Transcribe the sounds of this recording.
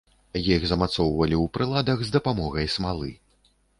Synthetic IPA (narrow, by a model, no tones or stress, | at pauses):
jixzɐmat̪sɔwvɐlʲiwpɾɨlˠad̪ɐxzd̪ɐpamɔɣɐjsmalˠɨ̰